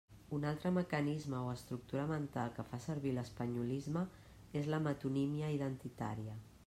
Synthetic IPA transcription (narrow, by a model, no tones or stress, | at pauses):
unalˠt̪ɾəməkənizməoəst̪ɾuk̚t̪uɾəmənt̪alˠkəfasəɾβiləspəɲulizmə | ezləmət̪unimiəiðənt̪it̪a̰ɾiə